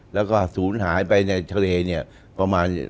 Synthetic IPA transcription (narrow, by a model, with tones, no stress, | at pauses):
lɛː˦˥wkɔː˥˩suː˩˦nɦaː˩˦˥jpa˧jna˧jt̪ʰa˧leː˧ni˥˩ɐ | pa˧maː˧n